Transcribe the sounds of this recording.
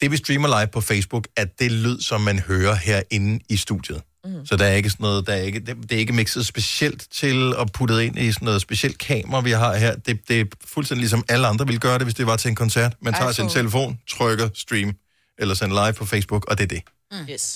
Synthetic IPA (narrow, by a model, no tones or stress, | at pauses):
d̥e̝ʋisd̥ʁiːmɐlɑ̈ɪʋpʰɒ̽fesb̥uɡ̥æd̥e̝lyð̞̰ˠsɒ̽mːænhøːɐheɐ̰e̝nn̩isd̥ṵd̥jəð̩ˠ | sɒ̽d̥ɑ̈æɐe̝ɡ̥əsɒnɔ̽ːð̩ˠd̥ɑæɐe̝ɡ̥əded̥e̝æɐe̝ɡ̥əmeɡ̥sð̩ˠsb̥e̝siel̰d̥t͡sʰe̝lɒ̽pʰud̥əð̩ˠe̝n̰ʔisɒnːɔ̽ːð̩ˠsb̥e̝sel̰d̥̚kʰɛ̰ːmɐʁɐʋiɦɑ̈ɦeɐ̰d̥e̝d̥e̝fulsden̰dilisɒ̽mæləɑ̈nd̥ʁɐʋilɡ̥ɶːɐɾe̝ʋe̝sd̥e̝ʋɑ̈t͡sʰe̝enkʰɒ̽nsæɐ̰d̥mænt͡sʰɑ̰̈ːsint͡sʰe̝ləfo̝̰ːnt͡sʰʁœɡ̥ɐsd̥ʁiːm | elɐsenlɑ̈ɪʋpʰɒ̽feɪsb̥uɡ̥ɒ̽d̥e̝ɐd̥e